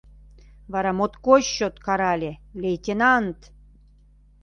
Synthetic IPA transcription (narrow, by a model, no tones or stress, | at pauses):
βɑɾɑmot̪koɕːot̪kɑɾɑlʲelejt̪ʲenɑnt̪